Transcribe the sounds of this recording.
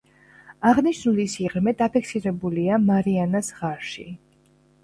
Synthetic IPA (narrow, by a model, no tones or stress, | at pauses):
aʁniʃnulisiʁɾmɛd̪apʰikʰsiɾɛbuliamaɾianasʁaɾʃḭ